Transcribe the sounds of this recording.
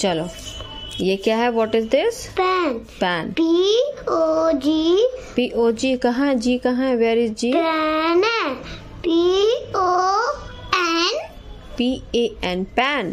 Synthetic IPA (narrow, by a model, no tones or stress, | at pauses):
t͡ʃɐlo | jekjaɦɛʋɔʈɪzd̪ɪspɛn | pɛnpiod͡ʒipiʔoːd͡ʒiːkɐ̃ɦãɦɛ̃d͡ʒiːkɐɦãɦɛ̃ʋeːɾɪzd͡ʒiːɛnɛ | pio | ɛn | piːeɛ̃npɛn